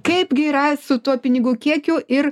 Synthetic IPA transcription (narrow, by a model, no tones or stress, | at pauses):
kɐɪpɡʲɪɾɐɪsʊt̪uɔpʲɪnʲɪɡʊkʲiɛkʲʊːʔɪɾ